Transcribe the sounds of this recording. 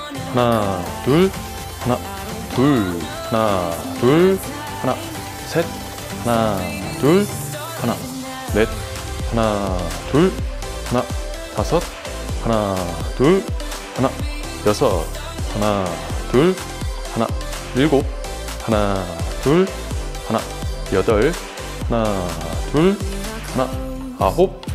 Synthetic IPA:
hana | tuɭ | hana | tʰuɭ | hana | tuɭ | hana | sʰet̪̚ | hana | tuɭ | hana | let̪̚ | hanatuɭ | hana | t̪asʰʌt̪̚ | hanatu | hana | jʌsʰʌ | hanatuɭ | hana̰ | iɭɡop̚ | hanatuɭ | hana̰ | jʌdʌɭ | hana | tuɭ | hana | aɦop̚

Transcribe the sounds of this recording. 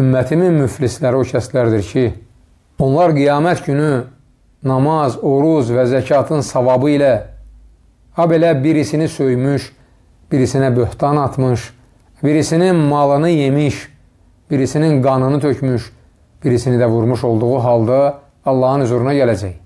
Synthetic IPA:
ymːæt̪ʰimimyflislæɾio̞cʰæst̪læɾd̪iɾcʰi | o̞nlˠɑɾɡijɑːmæt̪ɟyny | nɑmɑzoɾuzvæzæcʰɑːt̪ʰɯnsɑvɑbɯilæ | ɑbe̞læbiɾisinisø̞jmyʃ | b̥iɾisinæbøht̪ɑnɑt̪ʰmɯʃ | biɾisininmɑlˠɯnɯje̞miʃ | b̥iɾisininɡɑnɯnɯt̪ʰø̞cʰmyʃ | b̥iɾisinid̪ævuɾmuʃo̞lˠd̪uɣuɦɑlˠd̪ɑ | ɑlˠːɑhɯnyzuɾunɑɟælæd͡ʒæj

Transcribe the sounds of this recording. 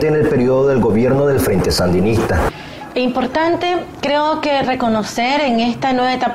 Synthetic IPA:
t̪eːne̞lpe̞ɾioðoðelɡo̞βje̞ɾnoðe̞lfɾẽ̞nt̪e̞sand̪inist̪a | eimpo̞ɾt̪ant̪e̞kɾeoke̞re̞ko̞no̞se̞ɾeŋe̞st̪anwe̞βaet̪a

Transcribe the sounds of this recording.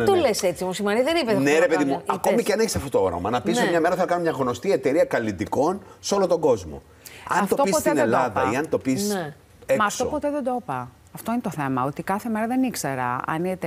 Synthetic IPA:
t̪oleset͡simosimɐɾiðenipeðneɾepeðimuɐkomiceɐneçi̥sɐftot̪ooɾo̰mɐnɐpisomɲɐme̞ɾɐθenɐkɐnomɲɐɣno̞st̪ie̞t̪e̞ɾiɐkɐlit̪iko̞nseo̞lot̪o̞ŋɡo̞zmo̰ | ɐnft̪ot̪opispotːt̪inelɐðɐiɐnt̪o̞pise | emɐsft̪opot̪eðed̪opɐ | ɐft̪oinet̪oθe̞mɐo̞t̪ikɐθemeɾɐðenikse̞ɾɐ̰ɐ̰nit̪

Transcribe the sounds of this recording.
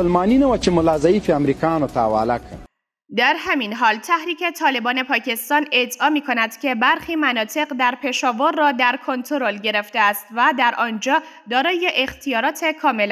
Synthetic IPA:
lmɑninawat͡ʃemʊlɑzaifeamɾikjɑnot̪a̰ːwa̰lakʰə̰ | d̪æɾɦæminɦɒːlt̪ʰæhɾiːcʰe̞t̪ʰɒːle̞bɒːne̞pʰɒːcʰe̞st̪ɒːne̞d̪ʔɒːmiːkʰo̞næd̪̥cʲʰe̞bæɾxiːmænɒːt̪ʰe̞ɢd̪æɾpʰe̞ʃɒːvoɾːɒːd̪æɾkʰo̞nt̪ʰoɾo̞lɟe̞ɾe̞ft̪eæst̪væd̪æɾʔɒːnd͡ʒɒː | d̪ɒːɾɒːjeʔext̪ʰijɒːɾɒːt̪ʰe̞kʰɒːmel

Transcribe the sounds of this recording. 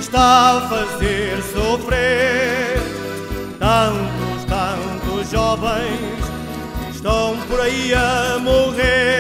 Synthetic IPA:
ʃt̪aɐfɐzeɾsofɾe | ɾ | t̪ɐ̃wt̪uʃt̪ɐ̃w̃t̪uʒɔvɐ̃j̃s | ʃt̪ɐ̃w̃pɔɾɐiɐmuʁe

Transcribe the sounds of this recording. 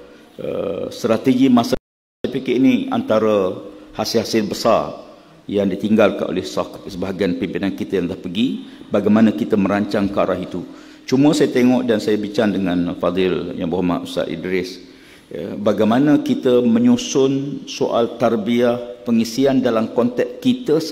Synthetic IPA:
ʔə̰st̪ɾat̪eɡimãsə | apikeʔinia̰nt̪aɾəhasɪlɦasɪlbəsa̰r | jaŋdit̪iŋɡalka̰nʔo̰lɛhsaksəbaɦaɡianpimpinankit̪ajaŋlahpəɡibaɡajmanãkit̪əməɾaɲt͡ʃaŋkaɾaɦit̪u | t͡ʃuməsajat̪eŋɔʔdansajabit͡ʃaŋdəŋanfad̪ɪlja̰ŋbuɦama̰ʔ̪ust̪a̰ʔ̪ḭdɾɪs | baɡajmanãkit̪əmə̃ɲusʊnsoʔa̰lt̪arbiahpəŋisiandalamkɔnt̪ɛk̚kit̪ə

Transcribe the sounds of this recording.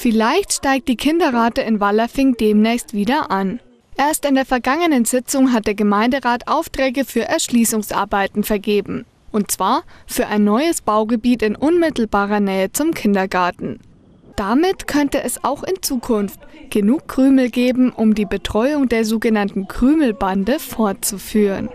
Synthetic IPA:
fɪlaɪçtʃtaɪk̚t̚d̥iːkʰɪndɐʁaːtəɪnvalɐfɪŋd̥eːmnɛːçstv̥iːdɐʔan | ʔeːɐstɪndeːɐfɛɐɡaŋənənzɪt͡sʊŋɦat̚d̥eːɐɡəmaɪndəʁaːtʔaʊftʁ̥ɛːɡəfyːɐʔɛɐʃliːsʊŋsʔa̰ːɐbaɪtn̩fɛɐɡeːbm̩ | ʔʊnt̚t͡sv̥aːɐfyːɐʔaɪnːɔʏəsb̥aʊɡəbiːtɪnʔʊnmɪtl̩baːʁɐnɛːət͡sʊmkʰɪndɐɡaɐtn̩ | d̥amɪtkʰœntəʔɛsa̰ʊxɪnt͡suːkʰʊnftɡ̥ənuːkʰːʁ̥yːml̩ɡeːbm̩ʔʊmdiːbətʁ̥ɔʏʊŋdeːɐzoːɡənantn̩kʁ̥yːml̩bandəfoɐt̚t͡sufyːʁə̰n

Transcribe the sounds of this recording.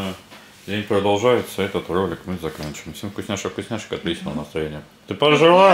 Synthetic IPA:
dʲenʲpɾəd̪ɐlˠʐajɪt̪səɛt̪ət̪rolʲɪkmɨzɐkanʲt͡ɕɪvɪmfsʲemfkʊsʲnʲaʂəfkʊsʲnʲæʂɨ̥kɐt̪lʲit͡ɕɪnənəst̪ɾɐjenʲɪjə | t̪ɨpəʐɨlˠa

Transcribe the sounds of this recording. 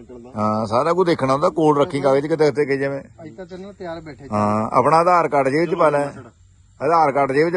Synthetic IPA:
ɦãːsaːɾaːkũːd̪eːkʰnaːɦond̪aːkoːlɾəkʰːĩːkaːɡeːt͡ʃkɪt̪̬eːkt̪eːkeːd͡ʒeʋẽː | ɦãːa̰ːpɳaːəd̪aːɾkəʈd͡ʒeːʋɪt͡ʃpaːlɛː | əd̪aːɾkəʈd͡ʒeːʋɪt͡ʃ

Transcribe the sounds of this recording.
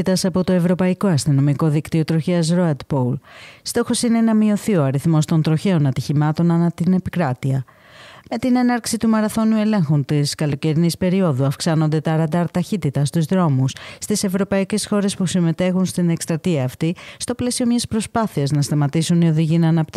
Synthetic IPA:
it̪ɐsɐpo̞t̪o̞e̞vɾo̞pɐiko̞ɐst̪ino̞miko̞ðikt̪io̞t̪ɾo̞çeɐs̬ɾoɐd̪polst̪o̞xo̞sine̞nɐmio̞θio̞ɐɾiθmo̞st̪o̞nt̪ɾo̞çe̞o̞nɐt̪içimɐt̪o̞nɐnɐt̪ine̞pikɾɐt̪iɐ | me̞t̪ine̞nɐɾksit̪umɐɾɐθo̞nue̞le̞ŋxunt̪iskɐlo̞ce̞ɾinispe̞ɾio̞ðuɐfksɐno̞nd̪e̞t̪ɐɾɐd̪ɐɾt̪ɐçit̪it̪ɐst̪uzðɾo̞musst̪ise̞vɾo̞pɐice̞sxo̞ɾe̞spusime̞t̪e̞xunst̪ine̞kst̪ɾɐt̪iɐːft̪ist̪o̞ple̞sio̞mɲɐspɾo̞spɐθiɐznɐst̪ɐmɐt̪isunio̞ðiʝinɐːnɐpt̪

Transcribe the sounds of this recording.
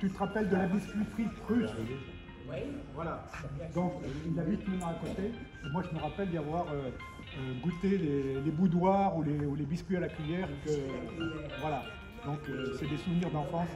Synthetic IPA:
t̪yt̪əʁapɛld̪əlabiskʲɥipχipχyt̪ | wvwalad̪ɔ̃kilːavit̪mɛnãakõt̪eː | mwaʒəməʁapɛld̪avwaʁø | øɡut̪elelebud̪waʁuleulebiskʲɥialakɥijɛʁkə | vwala | d̪ɔ̃køsɛd̪esuvniʁd̪ɑ̃fɑ̃s

